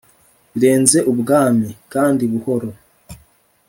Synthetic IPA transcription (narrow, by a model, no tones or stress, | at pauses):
βiɾe̞ːnze̞ʔuβuɡaːmikaːndiβuho̞ɾo